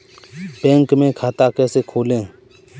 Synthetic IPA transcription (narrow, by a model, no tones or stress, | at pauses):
pẽːŋkmẽːkʰaːt̪aːkɛːseːkʰoːlẽː